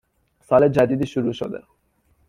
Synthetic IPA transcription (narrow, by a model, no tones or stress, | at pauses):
saled͡ʑad̪id̪iʃuɾuʃo̰d̪ḛ